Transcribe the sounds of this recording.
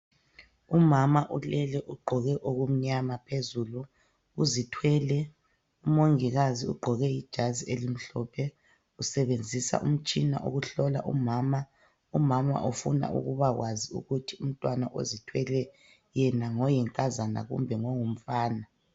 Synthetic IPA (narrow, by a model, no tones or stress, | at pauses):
umamaʔulɛlɛʔuɡ͡ǃʱɔɣɛʔoɣum̩ɲamapʰezulu | uzitʰwɛlɛ | umoŋiɣaziuɡ͡ǃʱɔɣɛjid̥ʒ̥ʱazielim̩ɬɔpʰɛ | usɛβend͡zʱisa̰ʔum̩t͡ʃʼina̰ʔo̰ɣuɬɔla̰ʔumaːma | umama̰ʔofuna̰ʔṵɣuβaɣwaziṵɣutʰium̩tʼwanaʔo̰zitʰwɛlɛ | jɛnaŋɔjɛŋkʼazana̰ɣṵmbʱɛŋɔŋum̩faːna